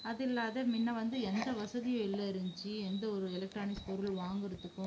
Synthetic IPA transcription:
ɐðɪlːaːðɐmɪnːɐʋɐnd̪ɯɛnd̪ɐʋɐsɐðɪjɐ̃ɪlːɐɾɪɲd͡ʒiɛnd̪ɐɔɾɯɛlɐk̚ʈɾaːnɪkspɔɾɯlʋaːŋɡɪɾɯt̪ːɯkːɯ̃

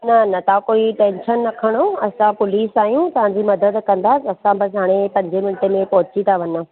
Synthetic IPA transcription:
nɐnɐt̪ʰãkoːiʈẽːnʃənːɐkʰəɽ̃oɐsãpʊliːsaːjũt̪ɐʋ̤ãɲd͡ʑimɐd̪əd̪kɐ̃nd̪atɐsãbɐsɦaːɽ̃epɐ̃ɲd͡ʑemɪnʈemẽpɔɦt͡ɕit̪ʰaʋɐna

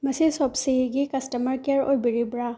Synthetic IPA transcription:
mɐsisɔpsiɡikɐstɐmɐɾkeaɾojbiɾibɾa

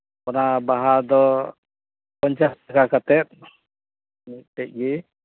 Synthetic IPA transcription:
kɔnabaɦad̪ɔ | pɔɲt͡ʃastakakat̪ɛt̪̚ | miʔt̪ɛc̚ɡɛ

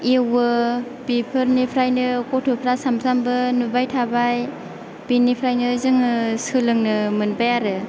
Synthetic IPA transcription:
ewɯ | bipʰɯɾnipʰɾajnɯkɔtʰopʰɾasamsambɯnubajtʰabaj | b̥inipʰɾajnɯzɯŋɯsɯlɯŋnɯmɯnbajaɾɯ

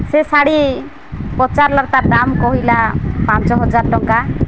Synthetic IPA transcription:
sɛsaɽi | pɔt͡ʃaɾlaɾt̪aɾɖamkɔɦilapãnt͡ʃɔɦɔd͡ʒaɾʈɔŋka

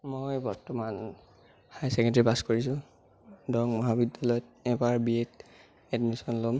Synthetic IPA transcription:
mojbɔɹtɔman | hajsɛkɛntɹipaskoɹis̬ʊ̃ | dɔŋmɔɦabidjalɔjɔt̚ɛbaɹbiet | ɛdmisɔnlom

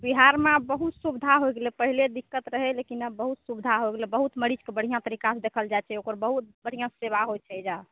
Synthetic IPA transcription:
biɦaɾmebəɦut̪subd̪ʱaɦojɡelɛpəɦiled̪ikːət̪ɾəɦɛlekinəbəɦut̪subd̪ʱaɦojɡelɛbəɦut̪məɽid͡ʒkebəɽ̤ijãt̪əɾikased̪ekʰəld͡ʒajt͡ʃʰɛokəɾbəɦut̪̚bəɽ̤ijãseβaɦojt͡ʃʰɛd͡ʒa

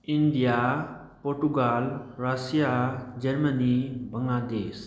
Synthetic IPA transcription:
inɖija | poɾʈuɡalɾasijad͡ʑəɾmənibəŋɡlad̪eːs

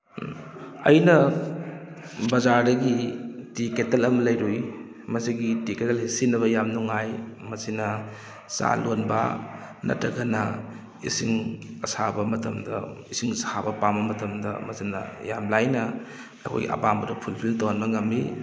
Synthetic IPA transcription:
ɐ̰jnɐ | bɐzaɾdɐɡitiketelɐmɐlɐjɾuj | mɐsiɡitiketelhisinɐβɐjamnuŋajmɐsinɐ | sa̰lonbɐ̰ | nɐ̰tɾɐɡɐnɐ | isiŋɐsabɐmɐtɐmdɐ̰isiŋshabɐpambɐmɐtɐmdɐ̰mɐsinɐ̰ja̰mlajnɐ | ɐkʰo̰jɡiɐ̰pambɐdɐpʰulpʰiltɐwhanbɐŋɐmːi

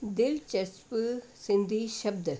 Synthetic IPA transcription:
d̪ɪlt͡ʃɐspəsɪ̃nd̪ʱiʃɐb̚d̪

